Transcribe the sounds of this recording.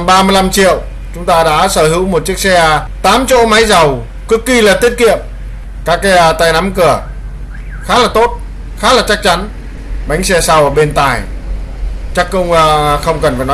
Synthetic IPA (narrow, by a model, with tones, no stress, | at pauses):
ɓaː˧mɨ˧əjla˧mt͡ɕḭ˧˨əw | t͡ɕʊ˨˦ŋ͡mt̪aː˧ɗa̰ː˧˥səː˧˩hɨ˨˦wmo˨˩t̚t͡ɕi˦˥ək̚sɛ˧ | t̪aː˨˦mt͡ɕo̰˧˥ma˨˦jza˨˩w | kɨ˦˥kːi˧laː˨˩t̪i˦˥ət̚kḭ˧˨əm | kaː˦˥kːt̪aː˧˩jna˨˦mkɨ˧˩ə | xaː˦˥laː˨˩t̪o˦˥t̚ | xaː˦˥laː˨˩t͡ɕa˦˥k̚t͡ɕa˨˦n | ɓa˨˦jŋ̟sɛ˧sa˧wʔəː˧˩ɓe˧nt̪aː˨˩j | t͡ɕa˦˥kːə˧wŋ͡mxə˧wŋ͡mkə˨˩nfaː˨˩jnɔ˨˦